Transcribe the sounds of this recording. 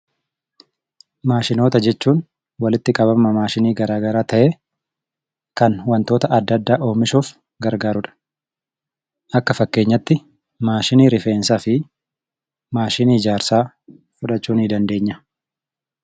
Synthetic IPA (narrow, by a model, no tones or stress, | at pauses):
maːʃɪno̞ːt̪ɐd͡ʒɛt͡ʃːuːn | wɐlɪt̪ːɪkʼɐbɐmɐmaːʃɪniːɡɐɾaːɡɐɾaːt̪ɐʔeː | kɐnwɐnt̪o̞ːt̪ɐʔɐd̪ːɐd̪ːaːʔo̞ːmɪʃoːf | ɡɐɾɡaːɾʊᶑɐ̥ | ʔɐkːɐfɐkːe̞ːɲːɐt̪ːɪ | maːʃɪniːɾɪfe̞ːnsaːfɪ | maːʃɪniːɪd͡ʒaːɾsaː | fʊᶑɐt͡ʃːuːnɪd̪ɐnd̪e̞ːɲːɐ